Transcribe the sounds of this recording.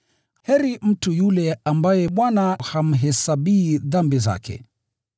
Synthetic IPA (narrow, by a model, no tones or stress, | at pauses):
hɛɾim̩tujulɛambajɛɓwanaham̩ɦɛsabiːðambiza̰kɛ̰